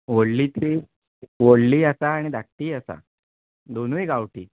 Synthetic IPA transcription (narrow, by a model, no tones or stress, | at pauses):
ʋoɽliːt̪i | ʋoɽliːasaːɽ̃id̪akʈːiːasa̰ | d̪onuiɡaʋʈiː